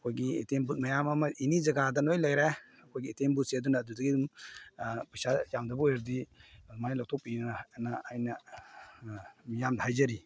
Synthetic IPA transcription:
ɐkʰojɡietembut̚mɐjamɐmɐʔinizɐɡadɐnojlajɾa | ɐkʰojɡiːtembut̚siɐdunɐːdudɐɡidum | pajsajamdɐbujɾdidumajlawtʰɔk̚pinaːjnɐ | mijamdɐhajzɐɾi

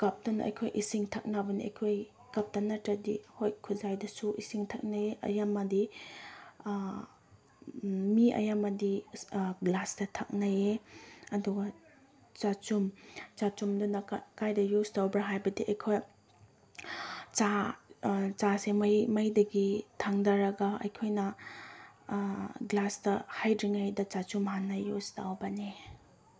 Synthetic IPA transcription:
kɐp̚tɐnɐ̰jkʰojʔisiŋtʰɐk̚nabɐniɐ̰jkʰoj | kɐp̚tɐnɐtɾɐdḭhojkʰuzajdɐsuʔisiŋtʰɐk̚najeʔɐ̰jamɐdi | miɐ̰jamɐdiɡlasdɐtʰɐk̚najeɐduɡa | t͡ʃat͡ʃumt͡ʃat͡ʃumdunɐkajdɐjustawbɾɐɦajbɐdiʔɐjkʰoj | t͡ʃa | t͡ʃasemɐjmɐjdɐɡitʰaŋdɐɾɐɡɐɐ̰jkʰojnɐ | ɡlastɐhajdɾiŋajdɐt͡ʃat͡ʃumɦanːɐjustawbɐne

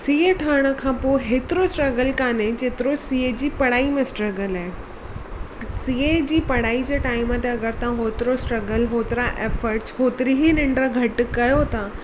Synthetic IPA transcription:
siːeʈʰəəɽ̃ə̆kʰãːpoːɦeːt̪ɪɾosʈɾɐɡəlkaːnẽd͡ʑeːt̪ɪɾosiːed͡ʑiːpɐɽ̤aːimẽsʈɾɐɡəlaːɦe | siːed͡ʑiːpɐɽ̤aːid͡ʑeːʈaːɪmət̪eɐɡəɾt̪ãɦoːt̪ɪɾosʈɾɐɡəlɦoːt̪ɪɾaʔeːfəɾʈsɦoːt̪ɪɾiɦinɪ̃ɳɖɾəɡʱɐʈ̆kɐjot̪ʰa

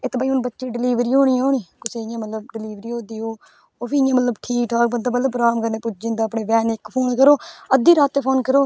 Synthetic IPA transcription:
ɪt̪ːbaːiːʊnbətːʃeːɖɪliːʋɾiːɦoːɽ̃iːɦoːɳ̃iːkʊseːɪjãːmət̪ləb̚ɖɪliːʋɾiːɦõːd̪iːɦoː | oːpʰijãːmət̪ləbʈʰiːkaːbəd̪aːmət̪ləbɾaːmkəneːpʊd͡ʒɪnd̪aːpɳeːʋɛːnɪkːpʰoːnkəɾoːəd̪iːɾaːt̪eːpʰoːnkəɾoː

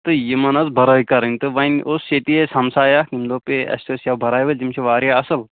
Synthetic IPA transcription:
t̪ɨjimɐnɐzbʱɐɾɐːikɐɾɐnʲt̪ɨʋɐnʔosʃet̪iesɐmsaːjakimd̪oːpeɐ̰sʲt̪osjawbʱɐɾaːjʋɐlʲd͡ʒimt͡ʃʰiʋaːɾjaɐsɨl

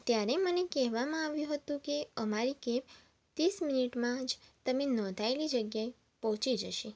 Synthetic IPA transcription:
t̪jaɾemənekɛɦʋamãaʋjũɦət̪ũkeəmaɾikep | t̪isminiʈmãd͡ʒt̪əmenɔ̃d̪ʱaelid͡ʒəɡjae | pɔɦt͡ʃid͡ʒəʃi

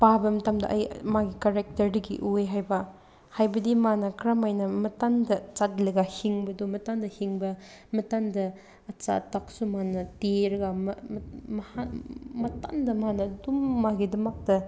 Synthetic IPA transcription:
pabɐmɐtamdɐ̰ʔɐjmaɡikaɾek̚tɐɾdɐɡḭʔujɦajbɐ | hajbɐdimanɐkɾamajnɐmɐtandɐt͡ʃatlɐɡahiŋbɐdomɐtandɐhiŋbɐmɐtandɐː | t͡ʃa̰tːak̚sumanɐteɾɐɡamɐmɐhamɐta̰ndɐmanɐdumːaɡidɐmak̚dɐ

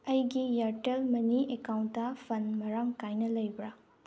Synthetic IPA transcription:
ɐjɡijɐɾtelmɐniekawntːɐpʰɐnmɐɾaŋkajnɐlɐjbɾa

